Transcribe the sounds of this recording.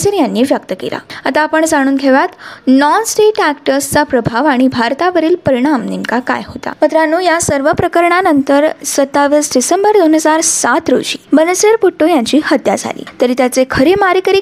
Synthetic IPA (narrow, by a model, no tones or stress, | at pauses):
səɾjanːiːʋjək̚t̪əkḛla̰at̪aːpəɳd͡zaɽ̃uːnɡʱeʋat̪nɔnsʈeʈækʈəɾst͡sapɾəbʱaʋaɽ̃ibʱaɾt̪aʋəɾiːlpəɾiɽ̃amnimkaka̰jɦot̪a̰mət̪ɾəanũːjasəɾʋəpɾəkəɾɳanənt̪əɾsət̪ːaʋiːsɖisembəɾd̪onɦəd͡zaɾsat̪ɾo̰ɕiːbənəsəɾpuʈːojãɲt͡ɕiːhət̪ja̰d͡zʱa̰lḭːt̪əɾiːt̪jat͡sekʰəɾemaɾiːkəɾiː